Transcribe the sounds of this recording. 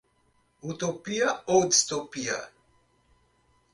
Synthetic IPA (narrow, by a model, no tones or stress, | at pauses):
ut̪opiaodst̪opia̰